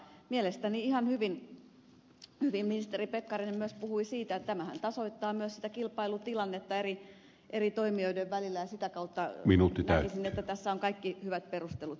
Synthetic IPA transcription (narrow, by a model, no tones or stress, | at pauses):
mielest̪æniihɑnhyʋin | hyʋimminist̪eripekːɑrinemyøspuhuisiːt̪ætt̪æmæhæ̰nt̪ɑsoit̪ːɑːmyøssi̥t̪ækilpɑilut̪ilɑnːet̪ːɑeri | ʔerit̪oimioideʋʋælilːæjɑsit̪ækɑut̪ːɑminuːt̪ːiæˑkisinet̪ːæt̪æsːæoŋkɑikːihyʋæt̪̚perust̪elut̪